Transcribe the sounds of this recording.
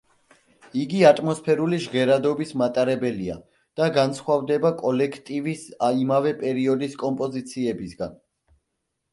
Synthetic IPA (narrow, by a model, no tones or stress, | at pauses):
iɡiat̪ʼmɔspʰɛɾuliʒʁɛɾad̪ɔbismat̪ʼaɾɛbɛlia̰ | d̪̥aɡansχwavd̪ɛbakʼɔlɛkʰt̪ʼivisaimavɛpʼɛɾiɔd̪iskʼɔmpʼɔzit̪sʰiɛbisɡan